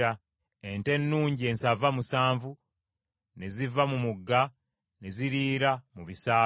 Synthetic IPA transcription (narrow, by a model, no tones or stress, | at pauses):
a | e̞nte̞nːuːɲɟie̞nsavamusaːɱvu | ne̞zivamumuɡːa | ne̞ziɾiːɾamuβisaː